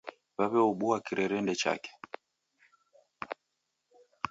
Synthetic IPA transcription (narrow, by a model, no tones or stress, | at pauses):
βaβɛɔɓuakiɾɛɾɛndɛt͡ʃa̰kɛ̥